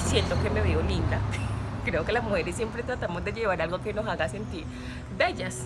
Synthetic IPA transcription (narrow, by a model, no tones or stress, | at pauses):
sje̞nt̪oke̞me̞βeolind̪akɾe̞oke̞lazmuhe̞ɾesjempɾet̪ɾat̪amo̞zd̪e̞ʝe̞β̞aɾalɡo̞keno̞saɣase̞nt̪iɾ | be̞ʝas